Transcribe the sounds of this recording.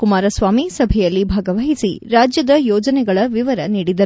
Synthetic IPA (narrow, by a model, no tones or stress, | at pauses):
kumaːɾɐsʋaːmisɐbʱɛjɐlːibʱaːɡɐʋɐɦisḭɾaːd͡ʒjɐd̪ɐjɔːd͡ʒɐnɛɡɐɭɐʋiʋɐɾɐniːɽid̪ɐɾ